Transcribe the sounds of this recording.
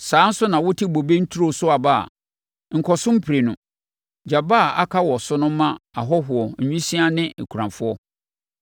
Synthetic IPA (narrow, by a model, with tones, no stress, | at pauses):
sãː˨˦n̩˦sʊ˦nã˨wʊ˦tʰɪ˦bo˨be˦n̩˦tʰu˦ɾo˦sʊ˦a˨ba˦˨a̰˨ | ŋ̩˨kʰɔ˨sʊ̃˦m̩˦pʰɾe˨nʊ̃˨ | d͡ʑa˨ba˦˨a̰˦kʰa˦wɔ˨sʊ˦nʊ̃˦m˦mã˦a˨ɦɔ˦ɦʊ˨ɔ˨ɲᶣũ˦sĩ˦a˦nɪ̃˦e˨kʰu˨ɾã˨ɱfʊ˦ɔ˦